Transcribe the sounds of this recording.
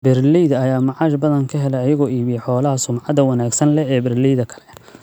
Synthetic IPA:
bɛrlijðɐjaːmɑʕɑːʃbɐðɐŋkʰɐɦɛlɛjɐjɐɣɔːiːβijħɔːlɐɦɐsʊmʕɑd̪ɐwɑnaːɡsɐnlɛɛːbɛrlijðɐkʰɐ̥lɛ

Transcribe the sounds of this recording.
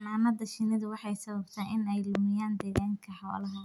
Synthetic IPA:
naːmɐd̪ɐʃɪnɪðʊwɑħɑjsɐβɐb̚t̪ʰɛʔɪnɛjlʊmɪjaːnd̪ɛːɣaːŋkʰɐħɑlɐɦɐ

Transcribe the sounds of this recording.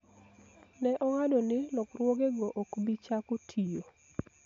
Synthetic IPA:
nɛʔɔŋadɔnɪlɔkrwɔɡeɡɔʔokbit͡ʃakotʰijo

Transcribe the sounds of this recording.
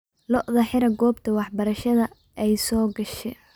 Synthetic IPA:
lɔʔðɐħɪɾɐɡɔːbt̪ʰɐwɑħbɐɾɐʃɐðɐ | ʔɛjsɔːɡɐʃɛ

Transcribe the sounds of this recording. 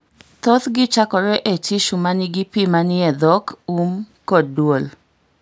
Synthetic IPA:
t̪ot̪ɡɪt͡ʃakɔɾɛʔet͡ʃɪʃumanɪɡɪpimanɪɛd̪ɔkumkodwol

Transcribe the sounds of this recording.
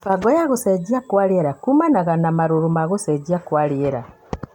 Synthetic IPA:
faɡɔjaɣosed͡ʒiakwaɾieɾakumanaɣanamaɾuɾumaɣosed͡ʒiakwaɾieɾa

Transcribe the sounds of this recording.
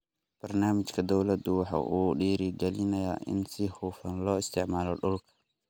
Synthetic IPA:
b̥ɐrnaːmɪt͡ʃkʰɐd̪ɔwlɐd̪ʊwɑħɑ̰ːʔuːɖiːɾɪɡɛlɪnɐja̰ːʔɪ̰nsɪhuːfɐnlɔːɪst̪ʰɪʕmaːlɔɖʊlkʰɐ̥

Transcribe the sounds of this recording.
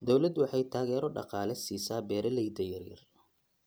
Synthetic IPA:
d̪ɔwlɐd̪wɑħɑjt̪ʰaːɣɛːɾɔɖɑ̰qɑːlɛsiːsaːbɛːɾɛlɛjd̪ɐjɐrjɐ̰r

